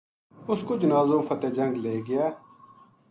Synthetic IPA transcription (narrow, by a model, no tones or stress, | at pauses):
ʊskoːd͡ʒʊnaːzoːfʰət̪eːd͡ʒə̃ŋɡleːɡɪjɛː